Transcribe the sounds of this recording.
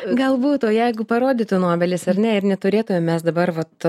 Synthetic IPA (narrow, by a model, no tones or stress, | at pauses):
ɡɐlˠbuːt̪oːjɛɪɡʊpɐɾoːd̪ʲit̪ʊnoːbʲɛlʲɪsɐrnʲɛɪɾnʲɛt̪ʊɾʲeːt̪ʊmʲɛmmʲɛsd̪ɐbɐrʋɐt̪